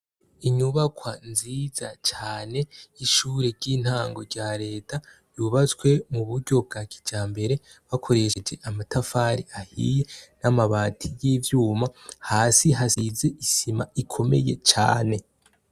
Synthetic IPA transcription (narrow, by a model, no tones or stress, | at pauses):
iɲuβakʰwanziːzat͡ʃaːne̞iʃuːɾeɾɟin̥haːŋɡo̞ɾɟaːɾe̞ːta | juβat͡skwe̞muβuɾɟo̞b̚ɡaːkʰi̥d͡ʒaːmbe̞ɾe̞ | βakʰo̞ɾe̞ʃed͡ʒe̞ʔamatafaɾiahḭjenamaβaːtʰijiːvjuːmahaːsiɦasizeʔisimaʔikʰo̞me̞̰je̞t͡ʃa̰ːne̞